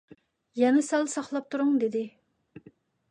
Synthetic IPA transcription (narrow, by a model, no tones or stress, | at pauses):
jɛnɛsɛlsɑχlˠɑp̚t̪ʰuɾʊŋd̪ed̪ɪ